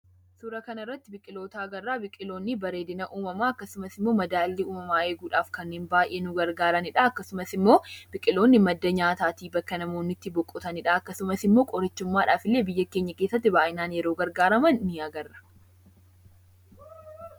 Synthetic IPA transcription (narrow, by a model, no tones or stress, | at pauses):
sʊɾɐkɐnɪrːɐt̪ːɪbɪkʼɪloːt̪ɐːɡɐrːaːbɪkʼɪlo̞ːnːɪbɐɾe̞ːd̪ɪnɐʔuːmɐmaːɐkːɐsʊmɐsɪmːo̞ːmɐd̪aːlːɪuːmɐmaːeːɡuːᶑaːfkɐnːeːnbaːjʔe̞ːnʊɡɐɾɡaːɾɐnɪᶑɐɐkːɐsʊmɐsɪmːo̞ːb̥ɪkʼɪlo̞ːnːɪmɐd̪ːɐɲaːt̪aːt̪iːbɐkːɐnɐmoːnːɪt̪ːɪbɔkʼːɔt̪ɐnɪᶑɐɐkːɐsʊmɐsɪmːo̞ːkʼɔɾɪt͡ʃːʊmːaːᶑa̰ːfɪlːe̞ːbɪjːɐkeːɲːɐke̞ːsːɐt̪ːɪbaːʔɪnaːnjɛɾoːɡɐɾɡaːɾɐmɐnnɪɐɡɐrːɐ̥